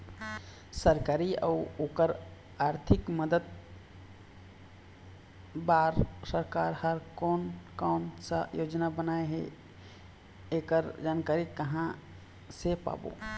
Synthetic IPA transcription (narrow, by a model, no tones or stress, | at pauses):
səɾkaːɾia̰uoːkəɾ | aːɾt̪ʰɪkməd̪əd̪̚ | baːɾsəɾkaːɾhəɾkɔːnkaːnsə̰joːd͡ʒnabənaeɦɛ̰ | eːkəɾd͡ʒaːnkaɾikəɦã | sepa̰ːbo̰